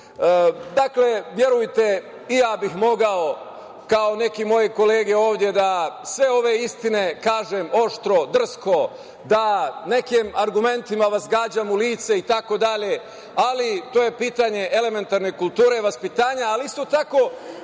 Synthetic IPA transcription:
d̪akle̞ʋje̞ɾujt̪e̞ | ijaːbixmo̞ɡao̞ | kao̞ne̞kimo̞je̞ko̞le̞ːɡe̞o̞ːʋd̪je̞d̪asʋe̞o̞ʋe̞ist̪ine̞kaːʒemo̞ʃt̪ɾo̞d̪r̩sko̞ | d̪ane̞kimaɾɡume̞nt̪imaʋazɡaːd͡ʑamuliːt̪seit̪ako̞d̪aʎe̞ | alit̪oːje̞piːt̪aɲe̞ʔe̞le̞me̞nt̪aɾnekult̪uːɾe̞ʋaspit̪aːɲaːliist̪o̞t̪ako̞

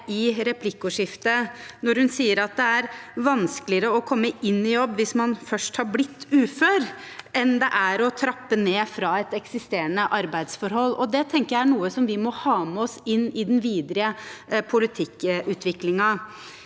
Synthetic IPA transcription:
ɪɾɛpʰlɪkːʊʂɪft̪ənɔɾhʉnsiːəɾɑt̪̚d̪ɛæɾʋɑnskəlɪəɾəɔkʰɔmːəʔɪnːɪjɔbːʋɪsmɑnfœʂʈhɑɾblɪt̪ːʉːføːɾ | ɛnd̪ɛʔæɾɔt̪ʰɾɑpːəneːfɾɑːɛt̪ɛksɪst̪eːɾənəʔɑɾbæɪd̪sfɔɾɦɔlːɔd̪ɛt̪ʰɛŋkəjæɪæɳuːəsɔmʋɪmɔhɑːməɔsɪnːɪd̪ɛnʋiːd̪ɾɪəpʰʊlɪt̪ʰɪkʔʉːt̪ʰʋɪklɪŋɑ

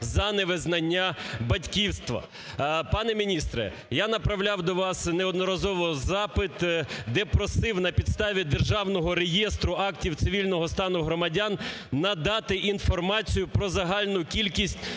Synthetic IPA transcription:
zɐneʋɪznɐnʲːabɐtʲkʲiwst̪ʋɐ̰ | pɑnɛmʲinʲist̪ɾɛ̰ | janɐpɾɐwlʲawd̪ɔʋɑsneɔd̪nɔɾɐzɔʋɔzɑpɪt̪d̪ɛpɾɔsɪwnɐpʲid̪st̪ɑʋʲid̪erʒɑwnɔɦɔɾejɛst̪ɾʊɑktʲiwt̪sɪʋʲilʲnɔɦɔst̪ɑnʊɦɾɔmɐdʲanː | ɐd̪ɑt̪ɪʔinfɔrmɑt͡sʲijʊpɾɔzɐɦɑlʲnʊkʲilʲkʲisʲtʲ

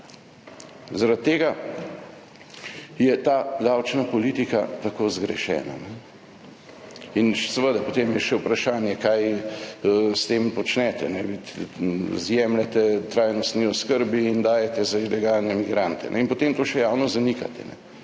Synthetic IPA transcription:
zaɾat̪ːeːɡa | jɛt̪aːd̪awt͡ʃnapɔliːt̪ikat̪akoːzɡɾɛ̰ʃɛ̰ːna̰nɛ | inʃɛsɛʋəd̪apot̪emjɛʃɛwpɾaʃaːnjɛkajəst̪eːmpɔt͡ʃnɛt̪ɛ̰nɛʋi | zjɛmlɛt̪ɛt̪ɾajnɔst̪niɔskəɾbiːnd̪aːjɛt̪ɛzailɛɡalnɛmiɡɾant̪ɛ̰nʔɛ̰inpot̪eːmt̪oːʃɛjawnɔzanika̰t̪ɛ̰nɛ̰

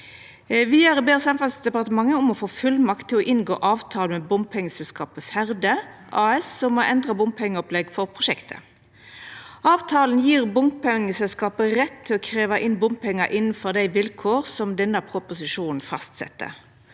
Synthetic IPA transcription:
ʋɪæɾbeːsɑmfɑlsd̪ɛpɑʁt̪əmɑŋːəʊmɔfoːfʉlmɑkt̪ʰːɪlɔʔɪnɡo̰ːʔɑːʋt̪ʰɑːlmɛbʊmpʰɛŋːəsɛlskɑːpəfæʁd̪əʔɑːɛsːɔmːɔʔɛnd̪ʁɑbʊmpʰɛŋːəɔplɛɡfɔʁpʰʁʊʂɛkt̪ʰə̰ | ʔɑːʋt̪ʰɑːln̩jiːʁbʊmpɛŋəsɛlskɑːpəɾɛt̪ʰːɪlɔkʰʁeːʋɑʔɪnbʊmpʰɛŋːɑʔɪnːn̩fɔʁd̪æɪʋɪlkʰoːʁsɔmd̪ɛnːɑpʰʁʊpʊsɪʂuːnn̩fɑst̪sɛ̰t̪ːə̰

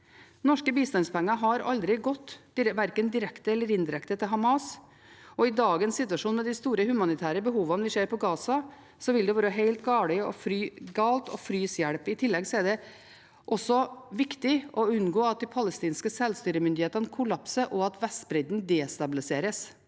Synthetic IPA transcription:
nɔʂkəbiːst̪ɑnspʰɛŋːɑɦɑɾɑ̰ld̪ɾɪɡɔt̪ːʋæɾkənd̪ɪɾɛkt̪əɛlːəɾɪnd̪ɪɾɛkt̪ət̪ʰɪlɦɑmɑːs | ɔɪd̪ɑːɡənsːɪt̪ʉɑʂuːnmɛd̪ɪst̪uːɾəhʉmɑnɪt̪ʰæːɾəbəɦuːʋɑnʋɪseːɾpʰɔɡɑːsɑ | sɔʋɪld̪ɛʋɑːɾəɦeɪlt̪ɡɑːɽɪɔfɾyːɡɑːlt̪ɔfɾyːsjæɽpɪt̪ʰɪlːɛɡsɔæd̪ɛ | ʔɔsːɔʋɪkt̪ɪʔɔʉnɡoːɑt̪̚d̪ɪːpʰɑləst̪iːnskəsɛlst̪yːɾəmʏnd̪ɪheːt̪ɑnəkʰʊlɑpsəɾʔɔɑt̪ʋɛst̪bɾɛd̪n̩d̪ɛːst̪ɑbɪlɪseːɾəs

